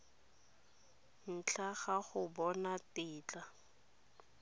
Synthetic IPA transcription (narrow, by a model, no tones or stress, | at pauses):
n̩t͡ɬʰaχaχʊbɔnatɪːt͡ɬa